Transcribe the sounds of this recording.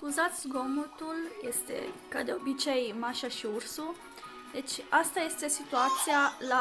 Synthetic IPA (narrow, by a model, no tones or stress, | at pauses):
kuzat̪sʲɡomut̪uljest̪e̞̰kad̪eobit͡ʃejmaʃaʃiursu | d̪et͡ʃʲast̪aje̞st̪esit̪uat̪siala